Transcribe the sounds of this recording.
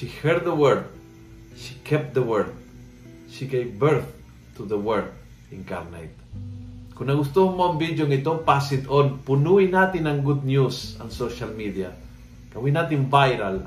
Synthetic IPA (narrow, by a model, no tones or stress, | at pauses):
ʃihɛɹd̪̚ðəwɛɾd̪̚ | ʃikʰɛp̚t̪̚d̪əwɛɹd̪̚ | ʃiɡejvbɛɹθ | t̪uðəwɛɹd̪ | ɪŋka̰ɾna̰jt̪̚ | kʊnɐɡʊst̪uhŋmaunvid̪joŋɪt̪opasɪd̪onpʊnuinat̪ɪnɐŋɡud̪̚njusɐ̰ŋsoʃalmid̪ia | kɐwinat̪ɪnvajɾal